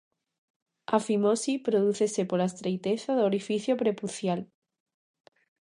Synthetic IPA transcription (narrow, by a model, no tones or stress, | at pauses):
afimosipɾoð̞uθesepolaest̪ɾejt̪eθaðooɾifiθjopɾepuθjal